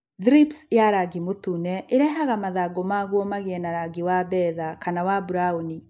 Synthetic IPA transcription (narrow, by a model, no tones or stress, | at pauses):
ðɾipsjaɾaɡimotunɛʔeɾɛɦaɣamaðaɡɔmaɣwɔmaɣeɛnaɾaɡiwabɛðakanawabuɾauni